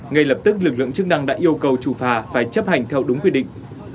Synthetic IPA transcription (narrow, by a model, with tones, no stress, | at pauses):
ŋa˨˩jlə˨˩p̚t̪ɨ˦˥k̚lɨ˨˩k̚lɨ̰˧˨əŋt͡ɕɨ˦˥k̚na˧ŋɗa̰ː˧˥ʔi˧əwkə˨˩wt͡ɕu˧˩faː˧˩faː˧˩jt͡ɕə˦˥p̚ha˨˩jŋ̟t̪ʰɛ˧wɗʊ˨˦ŋ͡mkwi˧˩ɗḭ˧˨ŋ̟